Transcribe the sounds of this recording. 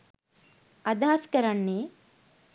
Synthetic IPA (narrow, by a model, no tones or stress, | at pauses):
ɐd̪aːskɐɾɐɳːe